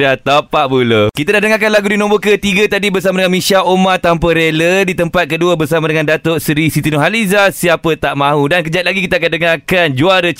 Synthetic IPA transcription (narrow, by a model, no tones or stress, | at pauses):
dat̪apaʔbuləkit̪adahdəŋakanlaɡudinõmbokət̪iɡət̪adibərsamadəŋanmĩʃaʔomat̪ampəɾelədit̪əmpat̪̚kəduəbərsamadəŋãndat̪oʔsɾisit̪inoɦalizasiapət̪aʔmãɦudankəd͡ʒat̪̚laɡikit̪akandəŋakand͡ʒuaɾə